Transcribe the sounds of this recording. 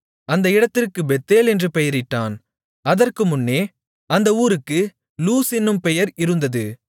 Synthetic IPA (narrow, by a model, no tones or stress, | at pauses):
ɐnd̪ɐɪɽɐt̪ːɪrkɯbɛt̪ːeːlɛndrɯpɛjɐɾɪʈːaːn | ɐðɐrkɯmʊnːeː | ɐnd̪ɐuːɾɯkːɯ | luːsɪnːɯmpɛjɐɾɪɾɯnd̪ɐðɯ